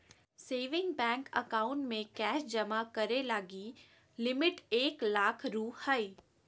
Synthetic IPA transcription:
seːʋɪ̃ŋɡbɛ̃ːŋkə̰kaːʊ̃ɳʈmẽkɛːʃd͡ʒɐmakɐɾelaːɡi | lɪmɪʈeːklaːkʰɾuːhaiː

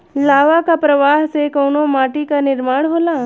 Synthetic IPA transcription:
laːʋakapɾəʋaɦsekəwnomaʈikanɪɾmaːɽ̃ɦola

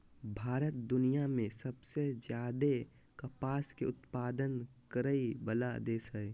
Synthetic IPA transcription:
bʱaːɾət̪̚d̪ʊnijamẽsəbsed͡ʒjaːd̪e | kəpaːskeʊt̪paːd̪ən | kəɾəibəlad̪eːsəɛ

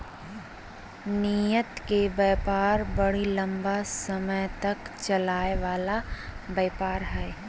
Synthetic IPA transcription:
nijət̪kebeːpaːɾbəɽ̤ilə̃mbasəməjt̪əkt͡ʃəlaːeʋaːlabeːpaːɾɦɛː

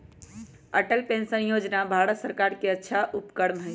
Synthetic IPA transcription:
əʈəlpensənjod͡ʒnabʱaɽət̪səɾkaɾkeətːʃʰaʔupkəɽmɦəj

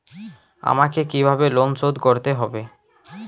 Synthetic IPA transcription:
a̰makekibʱabelonsod̪koɾt̪eɦɔbe

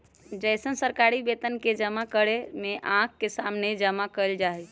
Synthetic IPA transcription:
d͡ʒəjsənsəɾkaɾibet̪ənked͡ʒəmakəɽemeʔãkːesamned͡ʒəmakəld͡ʒaɦɛ

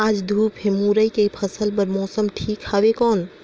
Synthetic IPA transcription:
ad͡ʒd̪ʱupemuɾəjkepʰəsəlpəɾmɔsəmʈʰikhabekɔn

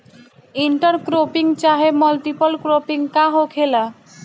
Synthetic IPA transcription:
iɳʈaɾkɾopiŋt͡ɕaɦemɔlʈipolkɾopiŋkaɦokʰela

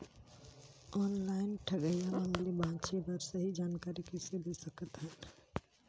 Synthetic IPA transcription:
ɔnlaɪnʈʰəɡəjaməmlibãt͡ʃʰebəɾsəɦid͡ʒankaɾikeselesəkət̪ɦən

